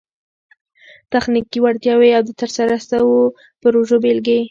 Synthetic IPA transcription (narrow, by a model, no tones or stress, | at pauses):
t̪axnikiwaɾt̪jɑweawd̪ət̪əɾsaɾasəwo | pəɾoʒobelɡe